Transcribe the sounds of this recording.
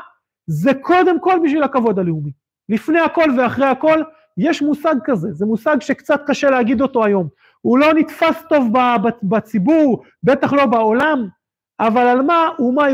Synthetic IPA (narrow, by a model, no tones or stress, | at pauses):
zekʰo̞d̪e̞mko̞lbiʃ̬vilhakavo̞dhaleumi | lifneako̞lveaχʁeako̞l | jeʃmusaɡ̚kaze̞zemusaɡʃekt͡sat̪̚kaʃeleaɡid̪ot̪o̞ajo̞m | ulo̞nit̪fast̪o̞vbabbat͡sibuʁ | be̞t̪aχlo̞bao̞lam | ʔavalalmauma